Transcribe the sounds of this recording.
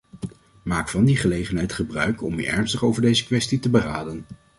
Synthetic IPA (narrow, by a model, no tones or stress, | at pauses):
maːkfɑndiχəlejχənɦɛjtχəbrœɥkɔ̰my̰ʔɛ̰ɹnstəχowvəɹdejzəkʋɛstitəbəraːdən